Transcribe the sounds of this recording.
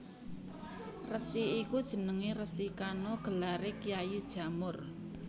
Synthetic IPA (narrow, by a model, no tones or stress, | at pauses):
rəsiikud̥ʒ̥ə̤nəŋeɾəsikanɔɡ̥ə̤laɾekijajid̥ʒ̥a̤mʊr